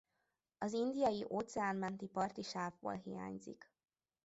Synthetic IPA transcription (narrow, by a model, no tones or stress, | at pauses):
ɒzind̪ijɒjiʔoːt̪sɛaːnmɛnt̪ipɒrt̪iʃaːvbo̰ːlɦḭja̰ːɲzḭk